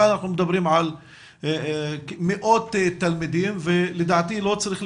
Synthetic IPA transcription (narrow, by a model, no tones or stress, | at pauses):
anaħnumd̪abɾiːmʕal | mɪʔoːt̪ːt̪ːalmid̪iːmvɪlɪd̪aʕt̪iːlot͡sːaɾiːxl